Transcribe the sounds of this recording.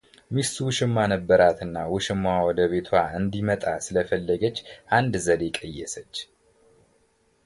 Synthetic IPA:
mist̪wʊʃɪmːanəbːəɾat̪ɨnːawʊʃɪmːawɔd̪əβet̪ʰwaɨnd̪imət̪ʼasɨləfəlːəɡət͡ʃːʔand̪zəd̪ekʼəjːɛsət͡ʃː

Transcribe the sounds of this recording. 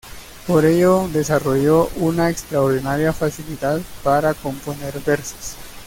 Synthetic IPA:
po̞ɾe̞ʝo̞d̪e̞saro̞ʝo̞ʔunaekst̪ɾaoɾðinaɾjafasiliðaðpaɾako̞mpone̞ɾbe̞ɾse̥s

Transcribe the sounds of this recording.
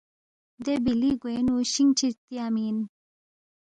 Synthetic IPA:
d̪ebiliɡojnuɕiŋt͡ɕʰit̪iamin

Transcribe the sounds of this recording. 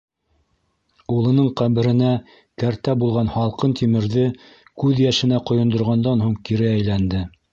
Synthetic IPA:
ulˠɤ̆nɤɴqæβɘ̆ɾɘ̆næ | kæɾt̪æbulˠʁɑnhɑlˠqɤnt̪ʰimɘ̆ɾðɘ | kʉðjæʃɘ̆næqŏjŏnd̪ŏɾʁɑnd̪ɑnhuɴkiɾɘæjlænd̪ɘ

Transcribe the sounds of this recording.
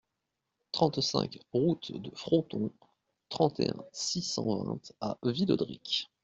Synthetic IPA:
t̪χɑ̃t̪sɛ̰̃kʁut̪d̪əfχɔ̃t̪ɔ̃ | t̪χɑ̃t̪eɛ̃sisɑ̃vɛ̰̃t̪avilɔ̰d̪ʁikʲ

